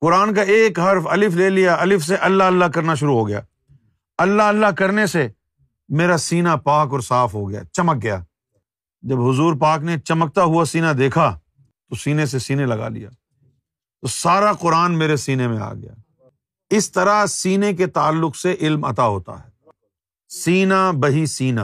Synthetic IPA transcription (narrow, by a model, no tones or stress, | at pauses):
qʊɾaːnk̬aeːkɦɐɾfɐlɪfleːlijaʔɐlɪfs̬eʔɐlːaəlːakɐɾnaʃ̬ʊɾuɦoɡɐja̰ː | ɐlːaəlːakɐɾnese | meːɾasiːnapaːkɔːɾsaːfɦoɡɐja̰ːt͡ʃɐmək̚ɡɐja̰ː | d͡ʒɐbɦʊzuːɾpaːknet͡ʃɐmək̚t̪aɦuasiːnad̪eːkʰa | t̪osiːnes̬esiːnelɐɡa̰lḭja̰ː | t̪osaːɾaqʊɾaːnmeːɾesiːnemẽa̰ːɡɐ̰ja̰ː | ɪst̪ɐɾasiːnek̬et̪aːlːʊqseʔɪlmɐ̰t̪aɦoːt̪a̰ɦɛː | siːnabɐɦisiːnaː